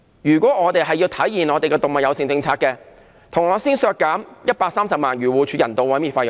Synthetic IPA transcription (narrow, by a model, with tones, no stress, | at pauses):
jyː˨˩kʷɔː˨˥ŋɔː˨˧t̪e˨jɦɐ˨jːiː˧wt̪ʰɐ˨˥jːiː˨˩nɔː˨˧t̪e˨jkɛː˧t̪ʊ˨ŋmɐ˨t̚jɐ˨˧wsɪ˨˧ŋt͡sɪ˧ŋt͡sʰaː˧kɛː˧ | t̪ʰʊ˨˩ŋɔː˨˧siː˥nsœː˧kːaː˨˥mjɐ˥t̚paː˧ksaː˥msɐ˨p̚maː˨nɥyː˨˩wuː˨˩t͡ʃʰyː˧jɐ˨˩nt̪o˨˧wɐ˨˥jmiː˨˩nfaː˧j